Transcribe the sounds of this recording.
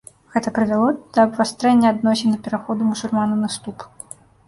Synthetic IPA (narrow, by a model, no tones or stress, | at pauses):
ɣɛt̪ɐpɾɨvʲalˠɔd̪̥ɐːbvast̪ɾɛnʲːɐad̪nɔsʲinɐpʲɛɾaxɔd̪umusulʲmanɐnɨst̪up